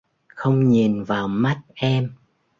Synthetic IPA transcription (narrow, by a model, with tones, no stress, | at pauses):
xə˧wŋ͡mɲi˨˩nvaː˨˩wma˦˥t̚ʔɛ˧m